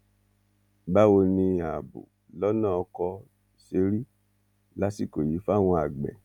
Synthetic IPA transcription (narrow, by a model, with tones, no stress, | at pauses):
ba˦o˧nĩ˧a˨bṵ˨ | lɔ˦nã˦ɔ˧kɔ˧ | se˧˦ɾi˦ | la˦si˦˨ko˨ji˨˦fa˦˨w̃ɔ̃˧a˨ɡ͡bɛ̰˨